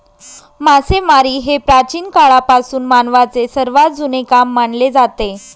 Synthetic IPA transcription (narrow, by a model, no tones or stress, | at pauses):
masemaɾiːɦepɾat͡ɕiːnkaɭapasuːnmanʋat͡sesəɾʋat̪̚d͡zunekamːaɳled͡zat̪e